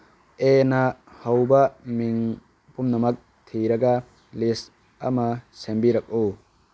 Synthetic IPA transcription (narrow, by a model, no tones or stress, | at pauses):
enɐhɐwbɐmiŋ | pumnɐmɐk̚ | t̪ʰiɾɐɡɐ | lis | ɐ̰mɐsembiɾɐk̚u